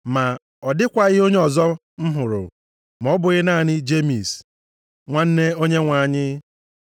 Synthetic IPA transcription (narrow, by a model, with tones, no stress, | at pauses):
ma˨ | ɔ˨dɪ˦kʷa˦ɣɪ˦o˦ɲe˦ɔ˨zɔ˦ | m̩˦ɦʊ˨ɾʊ̰˨ | mɔ˦bʊ˨ɣɪ˦na˦˨nɪ˦d͡ʒe˦mi˨s | ŋʷa˦n̩˦ne˦o˦ɲe˦ŋʷa˨ɲɪ˦